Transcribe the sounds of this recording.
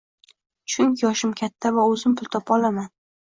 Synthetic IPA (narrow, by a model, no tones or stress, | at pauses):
t͡ʃʰʊŋkʲʰɪjɒʃɪmkʲʰat̪ʰːavaɵzɪmpʰʊlˠt̪ʰɒpɒlaman